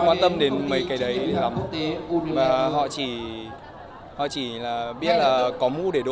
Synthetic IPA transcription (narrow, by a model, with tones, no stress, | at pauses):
kwaː˧nt̪ə˧mɗe˨˦nmə˨˦jka˨˩jɗə˨˦jla˨˦m | vaː˨˩ɦɔ̰˧˨t͡ɕi˧˩ | hɔ̰˧˨t͡ɕi˧˩laː˨˩ɓi˦˥ət̚laː˨˩kɔ˨˦mu˧ɗe˧˩ɗo˧˦